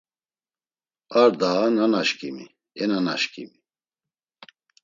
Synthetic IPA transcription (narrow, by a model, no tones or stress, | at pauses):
aɾd̪ananaʃkʼimi | ɛnanaʃkʼḭmi